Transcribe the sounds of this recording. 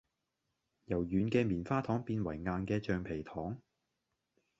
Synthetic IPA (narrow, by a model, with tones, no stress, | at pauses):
jɐ˨˩wjyː˨˥nkɛː˧miː˨˩nfaː˥t̪ʰɔː˨˥ŋpiː˧nwɐ˨˩jŋaː˧nkɛː˧t͡ʃœː˧ŋpʰe˨˩jt̪ʰɔː˨˥ŋ